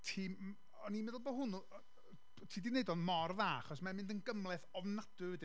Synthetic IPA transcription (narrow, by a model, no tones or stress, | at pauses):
tʰiː | ɔnimɛðlˠbɔɦʊn | tʰiːdineɨdɔnmɔrvaːaχɔsmamɪndənɡəmlˠɛθɔvnad̥ʊvəd